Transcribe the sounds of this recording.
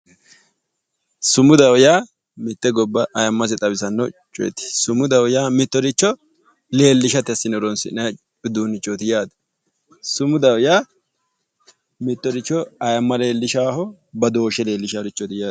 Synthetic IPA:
sʊmʊd̪ɐwjaː | mɪt̪ːɛɡɔbːɐʔɐjɐmːɐsɛt̪ʼɐbɪsɐnːɔt͡ʃʼʊjɛ̰t̪ːɪ̥sʊmʊd̪ɐwjaːmɪt̪ːɔɾɪt͡ʃːɔ | le̞ːlːɪʃɐt̪ɪɐsːɪnɔɾɔnsɪnɐ | ɪd̪uːnɪt͡ʃʼːɔt̪ɪjaːd̪ɐ̥ | sʊmʊd̪ɐwjaː | mɪt̪ːɔɾɪt͡ʃːɔɐjɐmːɐle̞ːlːɪʃaːhɔ | bɐd̪o̞ːʃɛle̞ːlːɪʃaːdɪt͡ʃːɔt̪ɪjaː

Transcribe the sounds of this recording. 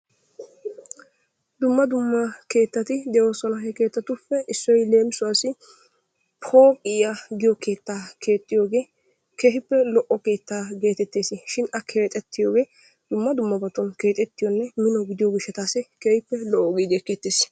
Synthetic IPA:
d̪ʊmːɐd̪ʊmːɐke̞ːt̪ːɐt̪ɪd̪ɛʔosɔnɐɦɛke̞ːt̪ːɐt̪ʊfːɛʔɪsːɔjle̞ːmɪsʊwaːsɪ | pʰoːkʼɪjaɡɪjɔke̞ːt̪ːaːkʰe̞ːt̪ʼːɪjo̞ːɡe̞ː | keːɦɪpːɛlɔʔɔke̞ːt̪ːaːɡe̞ːt̪ɛt̪ːeːsɪʃɪnʔɐkʰe̞ːt̪ʼːɛt̪ːɪjoːɡe̞ː | d̪̥ʊmːɐd̪ʊmːɐbɐt̪ːɔnke̞ːt̪ʼɛt̪ːɪjɔnːɛmɪnɔɡɪd̪ɪjoɡɪʃːɛt̪aːsɪkeːhɪpːɛlɔʔɔɡeːd̪eːkeːt̪ːeːs

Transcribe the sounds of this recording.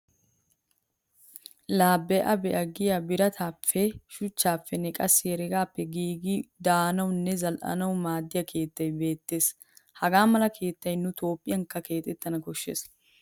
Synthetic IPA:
laːbːɛʔɐbɛʔɐɡɪjabɪɾɐt̪ʰaːpːɛʃʊt͡ʃːaːfːɛnɛkʼɐsːɪjɛɾɛɡaːpːɛɡiːɡɪd̪aːnɐwnːɛzɐlʔɐ̰nɐwmaːd̪ːɪjɐkʰe̞ːt̪ːɐjbe̞ːt̪ːe̞ːs | hɐɡaːmɐlɐkʰe̞ːt̪ːɐjnʊt̪o̞ːpʼːɪjɐŋkːɐke̞ːt̪ʼɛt̪ːɐnɐkɔʃːḛːs

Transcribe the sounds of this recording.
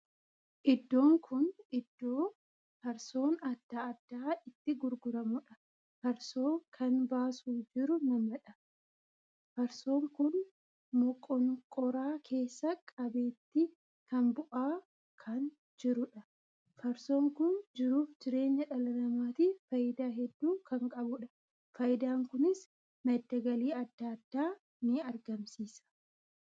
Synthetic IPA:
ʔɪd̪ːo̞ːŋkʰʊnɪd̪ːoː | fɐɾso̞ːnɐd̪̥ːaːɐd̪̥ːaːɪt̪ːɪɡʊɾɡʊɾɐmʊᶑɐ̥ | fɐɾso̞ːkʰɐnbaːsuːd͡ʒɪɾʊnɐmɐᶑɐ | fɐɾso̞ːŋkʊn | mɔkʼːɔnkʼɔɾaːkʰe̞ːsːɐkʼɐbe̞ːt̪ːɪ | kɐnbʊʔaː | kʰɐn | d͡ʒɪɾʊᶑɐ | fɐɾso̞ːŋkʊnd͡ʒɪɾuːfd͡ʒɪɾe̞ːɲːɐᶑɐlɐnɐmaːt̪ifɐjɪd̪aːɦɛd̪ːuːkʰɐŋkʼɐbʊᶑɐ̥ | fɐjɪd̪aːŋkʊnɪs | nɐd̪ːɐɡɐliːɐd̪ːaːd̪̥ːaː | nɪɐɾɡɐmsiːsɐ̥

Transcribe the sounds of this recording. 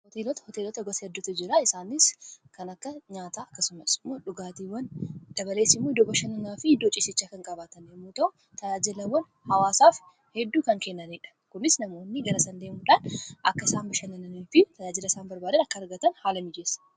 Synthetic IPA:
hɔt̪elɔt̪ɐ̥hɔt̪eːlɔt̪ɐɡɔsɐhɛd̪ːʊt̪ɐd͡ʒɪɾaɪsaːnɪskɐnɐkːɐɲaːt̪aːɐkːɐsʊmɐsɪmːo̞ːᶑʊɡaːt̪iːwɐnd̪̥ɐbɐle̞ːsɪmːod̪ɔɡɔʃɐnɐnaːfɪɪd̪ːoːt͡ʃʼɪsɪt͡ʃːaːkɐŋkʼɐbaːt̪ɐnemːuːt̪ɐʔʊ | t̪ɐjaːd͡ʒɪlɐwɐn | hɐwaːsaːf | hɛd̪ːuːkɐŋkenːɐniːᶑɐ̥kʊnɪsnɐmo̞ːnːɪɡɐɾɐsɐnd̪eːmuᶑaːnʔɐkːɐɪsaːnbɐʃɐnɐnɐnifɪt̪ɐjaːd͡ʒɪlɐɪsaːnbɐɾbaːd̪ɐnɐkːɐɐɾɡɐt̪ɐnhaːlɐmɪd͡ʒeːsɐ̥

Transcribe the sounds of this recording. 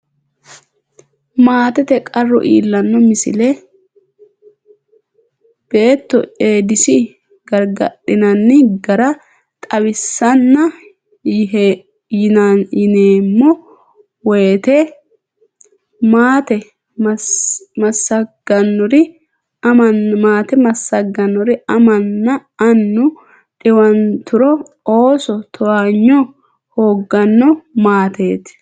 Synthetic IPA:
maːt̪ɛt̪ɛkʼɐrːɔ̰ʔḭːlːɐnːɔmɪsɪ̰lɛ | b̥e̞ːt̪ːɔ̰e̞ːd̪ɪsɪ | ɡɐɾɡɐ̰ɗːɪnɐnːɪɡɐɾɐ | t̪ʼɐwɪsːɐnːɐ | jnɐjɪneːmːɔ | wet̪ɛ | maːt̪ɛ | m | mɐsːɐɡ̥ɐnːɔɾɪ | ɐmɐmaːt̪ɛmɐsːɐɡːɐnːɔɾɪɐmɐnːɐɐnːʊ | ᶑɪwɐnt̪ʰʊɾɔ | oːsɔt̪ʰɔwaɲːɔ | hoːɡːɐnːɔmaːt̪ʰeːt̪

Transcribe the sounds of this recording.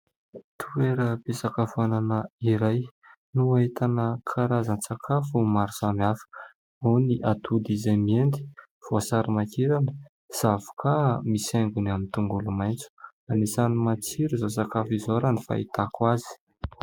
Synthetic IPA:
t̪ʰueɾəbesakavananəiɾaj | nuaɦit̪anəkʰaɾazant͡sakʰafumaɾusamiafə̥ | oniʔat̪ʰud̪izamiend̪i̥ | v̥uasaɾimakiɾanə | zavu̥kʰamisaŋɡunamint̪uŋɡulumajnt͡su̥ | anisanimat͡siɾuzosakafizoɾanifa̰ḭt̪akwazi̥

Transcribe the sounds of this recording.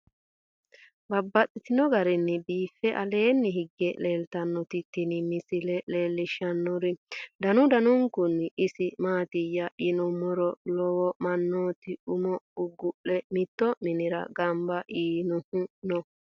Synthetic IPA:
bɐbːɐtːɪt̪ɪnɔɡɐɾɛnːɪbiːfːɛʔɐ̰le̞ːnːɪhɪɡːɛleːlt̪ɐnːɔt̪ɪt̪ːɪnɪmɪsɪlɛleːlːɪʃɐnːɔɾɪd̪ɐnʊd̪ɐnʊŋkʊnːɪsɪmaːt̪ɪjːɐʔɪnɔmɔɾɔlɔwɔmɐnːoːt̪ɪʊmɔʊɡːʊʔɛmɪt̪ːɔmɪnɪɾɐ̰ɡɐmbɐʔiːnʊhʊnɔ

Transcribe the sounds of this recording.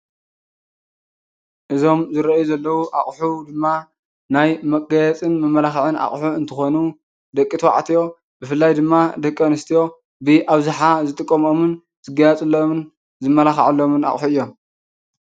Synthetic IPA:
ʔɨzo̞mzɨɾɐʔjuzɐlːɐwuʔaχʼħud̪ɨmːa | najmɐkʼɡɐjɛt͡sʼɨnmɐmːɐlaxʕɨna̰χʼħuɨnt̪ʰɨxo̞nu | d̪ɐkʼːit̪ʰwa̰ʕt̪ʰijo̞ | bɨfɨlːajd̪ɨmːad̪ɐkʼːɐnɨst̪ʰijo̞ | bɨʔaβzuħazɨt̪ʼɨkʼːɐmo̞mɨn | z̥ɨɡɐjɐt͡sʼɨlːomn | zɨmːɐlaxʕalːo̞mɨna̰χʼħuɨjːo̞m

